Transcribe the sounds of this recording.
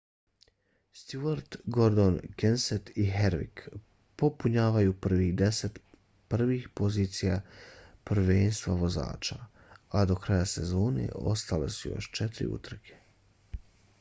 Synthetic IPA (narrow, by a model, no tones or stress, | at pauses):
st̪juaɾt̪ɡo̞ɾd̪onkenset̪iɦeɾʋḭk | po̞puɲaːʋajupr̩ʋiɣd̪eset̪ | pr̩ʋixpoziːt̪sijapr̩ʋeːnst̪ʋaʋo̞za̰ːt͡ʃa | ad̪o̞kɾajase̞zo̞ːne̞̰o̞̰st̪ale̞̰sujo̰ʃt͡ʃet̪ɾḭṵt̪r̩kʰe̥